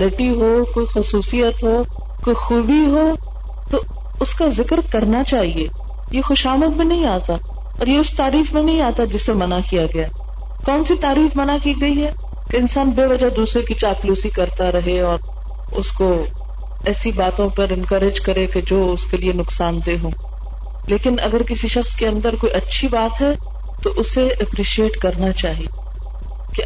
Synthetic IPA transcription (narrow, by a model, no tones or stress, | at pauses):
lɪʈiɦoːkoːixʊsuːsijət̪ɦoː | koːixuːbiɦoː | t̪o | ʊskazɪkɾkɐɾnat͡ʃaːɦieː | jexʊʃaːməd̪̚bĩnɐɦĩaːt̪a | ɔːɾjeʊst̪aːɾiːfmẽnɐɦĩaːt̪ad͡ʒɪsːemɐnakijaɡɐja | kɔːnsit̪aːɾiːfmɐnakiːɡɐiɦɛː | keɪnsaːnbeːʋɐd͡ʒad̪uːsɾekit͡ʃaːpluːsikɐɾt̪aɾɐɦeɔːɾ | ʊ̰sko | ɛːsibaːt̪õpɐɾɪ̃nkɐɾɪd͡ʒkɐɾẽked͡ʒoːʊskelienʊksaːnt̪eɦõː | leːkɪnɐ̰ɡəɾkɪsiʃɐxskeɐ̃nd̪əɾkoːiʔɐtːʃʰibaːt̪ɦɛ | t̪oʔʊseʔɛpɾiːʃieːʈkɐɾnat͡ʃaːɦieː | ke